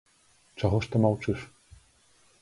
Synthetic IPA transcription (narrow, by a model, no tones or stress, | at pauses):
t͡ʂaɣɔʂt̪ɔmawt͡ʂɨʂ